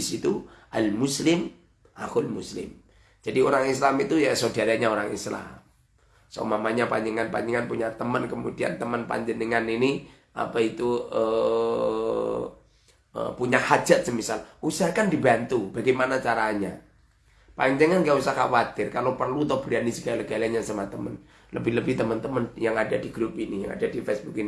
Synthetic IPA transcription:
isit̪uʔalmuslɪm | ʔa̰hʊlmuslɪ̰m | d͡ʒ̥adioɾaŋislamit̪ujasodadaɲaoɾaŋḭsla̰m | sa̰umamaɲapaɲd͡ʒəŋanpa̰ɲd͡ʒəŋanpuɲat̪əmənkəmudia̰nt̪əmənpa̰ɲd͡ʒənəŋanini | ʔa̰pait̪uə | ə̰puɲahad͡ʒat̪̚səmisalusahkandibant̪ub̥aɡajmanat͡ʃaɾaɲa̰ | paɲd͡ʒəŋankaausahka̰wat̪ɪrkalopərlut̪ɔb̥ɾianisəɡalaɡaliaɲasamat̪əmən | ləbɪləbɪht̪əmənt̪əmənjaŋadadiɡɾupinija̰ŋa̰dadifɛsb̥ukini

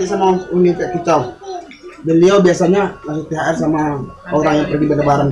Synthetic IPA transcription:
iʔsamaʔunik̪aʔkit͡ʃaw | bəliawbiasaɲalas̬up̪eɦaʔɛrsamaoɾaŋjaŋpərɡibadabaɾaŋ

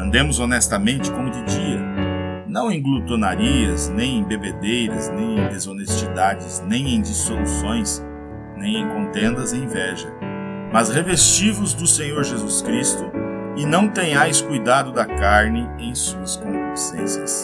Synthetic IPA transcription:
ɐ̃nd̪ẽmʊzonɛst̪ɐmẽnt͡ʃɪ̥kõmʊd͡ʒ̪ɪd͡ʒiɐ | nɐ̃w̃ẽj̃ɡlut̪onaɾiɐznẽj̃ẽj̃bebed̪ejɾɐ̰znẽj̃ẽj̃d̪ezonest͡ʃid̪ad͡ʒɪznẽj̃ẽj̃d͡ʒ̪isolusõj̃s | nẽj̃ẽj̃kõnt̪ẽnd̪ɐzẽj̃vɛʒɐ | mɐzhevest͡ʃivʊzd̪ʊsẽɲoɾʒezuskɾist̪ʊɪnɐ̃w̃t̪ẽj̃ajskujd̪ad̪ʊd̪ɐkaɾnɪ | ẽj̃suɐskõnvosḛ̃sjɐ̰s

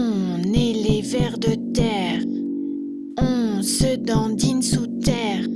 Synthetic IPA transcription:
nelevɛʁd̪ət̪ɛʁ | ɔ̃səd̪ɑ̃d̪insut̪ɛːʁ

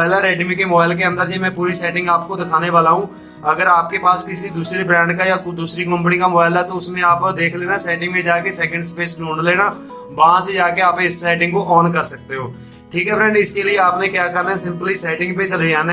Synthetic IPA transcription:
ɪlɛɾɛːɖmikemobaːɪlk̬eə̃nd̪əɾd͡ʒemɛ̃ːpuːɾisɛːʈɪ̃ŋɡaːp̚kod̪ɪkʰaːneʋaːlaːɦũː | ɐɡəɾaːp̚kepaːskɪsid̪uːsɾibɾɛ̃ːɳɖkajad̪uːsɾikə̃mpnikambaːɪlɛt̪oʊsmẽaːpd̪eːkʰleːnasɛːʈɪ̃ŋɡmẽd͡ʒaːkesɛːkə̃ɳɖspeːslõːɳleːnaː | ʋaɦãsed͡ʒaːkeaːpeɪsːɛːʈɪ̃ŋɡkoʔɔːnkəɾsək̚t̪eɦoː | ʈʰiːkɦɛbɾɛ̃ːɳɖɪskelieaːpnẽkjaːkəɾnaɛsɪ̃mpəlisɛːʈɪ̃ŋɡpẽt͡ʃəleãːn

